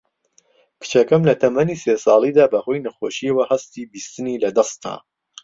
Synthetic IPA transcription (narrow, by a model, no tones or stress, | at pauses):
kʰɨ̥t͡ʃɐkɐmlɐt̪ʰɐmɐniːsesɑːlˠiːd̪aːbɐhojnɐxoːʃiəwɐhɐst̪ibist̪ɨniːlɐd̪ɐst̪a̰ː